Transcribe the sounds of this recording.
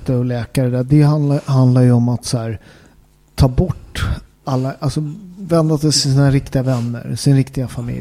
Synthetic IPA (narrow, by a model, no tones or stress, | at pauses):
t̪əɔlɛːkaɾəd̪æːɖ̪ɛhanlaɦand̪laɾjɵɔmat̪sæːɾ | t̪ʰɑːbɔʈː | alːaʔalsɔvɛnd̪asɛjt̪ʰɪls̬iːnaɾɪkt̪ɪɡavɛnːə̰ɾsɪnɾɪkt̪ɪɡafamɪ̰l